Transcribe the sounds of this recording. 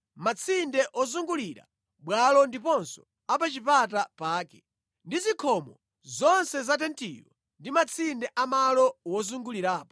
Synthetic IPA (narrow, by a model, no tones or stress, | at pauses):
mat͡sʰindɛʔɔzuŋɡuliɾa̰ | ɓwalɔndipɔnsɔ̥ | ap̬at͡ʃipatapaːkɛ | ndizikʰɔmɔ | zɔnsɛzat̬ɛntḭɾɔ | ndimat͡sʰindɛʔamalɔwɔzuŋɡuliɾaːpɔ